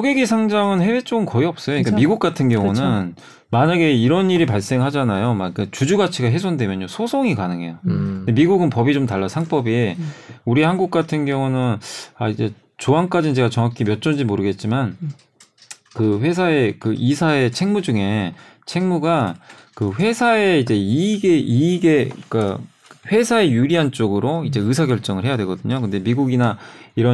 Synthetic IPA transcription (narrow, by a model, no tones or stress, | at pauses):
sʰoɡeɡisʰaŋd͡ʑaŋɯnhewe̞t͡ɕ͈oɡɯnkʌiʌp̚s͈ʌjoɲik͈amiɡuk͈atʰɯnɡjʌŋunɯn | maɲaɡe̞iɾʌniɾipaɭs͈e̞ŋɦad͡ʑanajomaɡik͈at͡ɕud͡ʑuɡat͡ɕʰiɡaɦe̞s̬ʰondwe̞mjʌɲjosʰosʰoŋikanɯŋɦe̞̰jodemiɡuɡɯnpʌbit͡ɕomtaɭːasʰaŋp͈ʌbi | uɾihanɡuk̚k͈atʰɯnɡjʌŋunɯnaid͡ʑe̞ | t͡ɕoɦank͈ad͡ʑinɯnd͡ʑe̞ɡat͡ɕʌŋakʰimjʌt̚t͡ɕ͈ond͡ʑimoɾɯɡe̞t̚t͡ɕ͈iman | kɯɸwe̞s̬ʰae̞kɯʔisʰae̞t͡ɕʰe̞ŋmud͡ʑuŋe̞t͡ɕʰe̞ŋmuɡakɯɸe̞sʰae̞id͡ʑe̞iɡeiɡe̞k͈a | ɸwe̞sʰae̞juɾiɦant͡ɕ͈oɡɯɾoid͡ʑe̞ɯs̬ʰaɡjʌɭt͡ɕ͈ʌŋɯɭɦe̞jadwe̞ɡʌdɯɲokɯnde̞miɡuɡinaiɾʌ